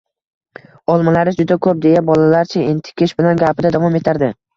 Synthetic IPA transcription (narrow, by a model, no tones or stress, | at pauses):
ɒlˠmalaɾɪd͡ʒʊd̪akʰɵp̚d̪e̞jabɒlalaɾt͡ʃʰɪent̪ʰɪ̥kʲʰɪʃbɪlanɡʲapɪd̪ad̪avɒme̞t̪ʰaɾd̪ɪ